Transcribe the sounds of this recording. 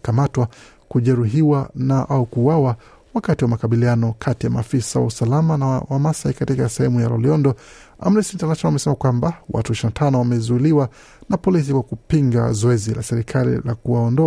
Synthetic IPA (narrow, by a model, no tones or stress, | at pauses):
kamatwa | kuʄɛɾuɦiwanaʔaukuwawa | wakatiwamakaɓilianɔkʰatijama̰ːfisawa̰usalamanawamasaikatikasɛhɛmujalɔ̰liɔndɔ | a̰m̩ɾɛsintanatanɔamɛsɛmakwambawa̰tuiʃinatʰanɔwamɛzuiliwa | napɔlis̬ikwakupiŋɡa̰zɔɛzilasɛɾikʰalḭla̰kuwaɔndɔ